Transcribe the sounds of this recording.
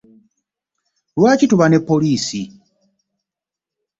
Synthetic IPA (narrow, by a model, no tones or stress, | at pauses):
wat͡ʃituβanɛpɔliːsi